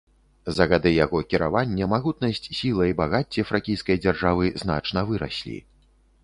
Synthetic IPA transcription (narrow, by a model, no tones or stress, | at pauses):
zɐɣad̪ɨjaɣɔkʲiɾa̰vanʲːɛmaɣut̪nɐsʲt͡sʲsʲilˠɐibaɣat͡sʲːɛfɾakʲijskɐjd͡zʲarʐavɨzn̪a̰t͡ʂnɐvɨɾa̰sʲlʲḭ